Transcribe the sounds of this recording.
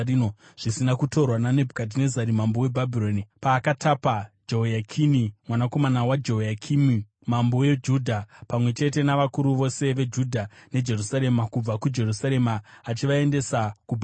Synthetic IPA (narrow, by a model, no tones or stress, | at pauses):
no | ʐ̥isinakuto̞rwanane̞bʱukat̬ine̞zaɾimambo̞we̞bʱabʱiɾoːnipaːkatʰapad͡ʒo̞jakʰinimwanako̞manawad͡ʒo̞jakʰimi | mambo̞je̞d͡ʒuːdʱapamwe̞t͡ʃe̞te̞naʋakuɾuʋo̞se̞ʋe̞d͡ʒudʱane̞d͡ʒe̞rusaɾe̞makub͡vakud͡ʒe̞rusaɾe̞maːt͡ʃiʋae̞nde̞sakubʱ